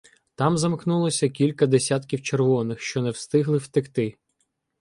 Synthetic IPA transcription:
t̪ɑmzɐmknulˠɔsʲɐkʲilʲkɐd̪esʲat̪kʲiwt͡ʃerʋɔnɪxʃt͡ʃɔnɛwst̪ɪɦlˠɪwt̪ɪkt̪ɪ

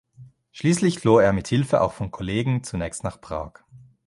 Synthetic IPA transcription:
ʃliːslɪçfloːeːɐmɪthɪlfəʔa̰ʊxfɔnkʰɔleːɡŋ̩t͡sunɛːçstnaːχpʁ̥a̰ːɐk

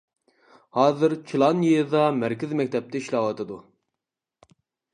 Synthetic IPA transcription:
hɑːzɨɾt͡ʃʲʰilˠɑnjijɨd̪ɑmæɾkʲɪzmɛkʲt̪ʰɛp̚t̪ɪiʃlˠɑwɑt̪ʰɨd̪u

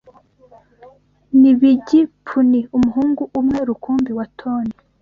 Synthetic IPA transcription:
niβiɟipʰuniumuɦuːŋɡuʔːmŋeɾukuːmbiwatʰoːni

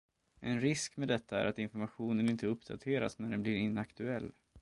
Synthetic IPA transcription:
ʔɛnɾɪskmeːd̪ɛt̪ʰːaæ̰ɾʔat̪ɪnfɔɾmaɧuːnənɪnt̪əɵpd̪a̰t̪ʰeːɾa̰snæɖɛnblɪɾɪnːakt̪ɵɛlː

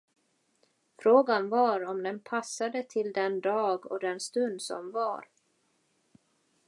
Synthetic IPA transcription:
fɾoːɡanvaɾɔmd̪ɛnpʰasːad̪ət̪ʰɪld̪ɛnd̪ɑːɡɔ̰d̪ɛnst̪ɵnd̪sɔ̰mva̰ɾ

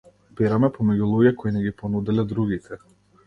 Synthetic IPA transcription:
bɛɾamɛpɔmɛɟulˠuɟɛkɔinɛɡipɔnud̪ɛlɛd̪ɾuɡit̪ʰɛ

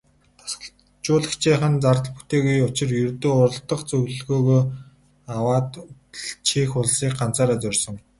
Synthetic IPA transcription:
t̪ʰḁs | t͡ɕʊːɮə̆kt͡ɕʰiːχə̆nt͡sart̪ɮpu̥t̪eːɣujʊt͡ɕɪ̆rjɵrt̪oːʊrə̆ɮt̪ə̆χt͡sɵɣɮɣoːɣoː | awaːt̪t͡ɕʰiːxʊɮsiːk̚ɢan̥t͡saːɾaːt͡sœrʲsɞ̆ŋ

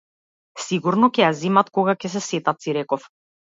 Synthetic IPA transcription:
siɡuɾnɔcɛjazimat̪kɔɡakɛsɛsɛt̪at̪siɾɛkɔf

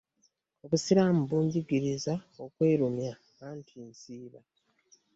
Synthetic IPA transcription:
oβusiɾamuβuːɲɟiɡiɾizao̞kwe̞ːɾumja | aːntʰinsiːβa

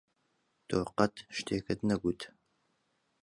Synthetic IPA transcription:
t̪ʰoːqɐt̪ʰʃt̪ʰeːkɐd̪nɐɡʷut̪ʰ

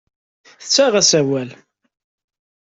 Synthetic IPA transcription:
θə̥t͡sːæʁæsæwæl

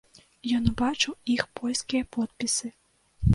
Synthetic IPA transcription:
jɔnbat͡ʂuixpʰɔlʲskʲijɐpɔt̪̚pʲisɨ

